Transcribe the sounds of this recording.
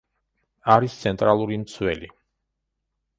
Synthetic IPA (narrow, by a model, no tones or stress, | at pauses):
aɾist̪sʰɛnt̪ʼɾalˠuɾimt̪sʰwɛli